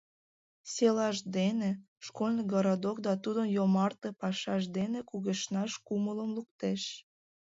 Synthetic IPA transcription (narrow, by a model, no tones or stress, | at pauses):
selɑʃd̪ene | ʃkolʲnəɡɑɾɑd̪okd̪ɑt̪ud̪ənjomɑrt̪epɑʃɑʃd̪enekuɣeʃnɑʃkumələmluk̚t̪eʃ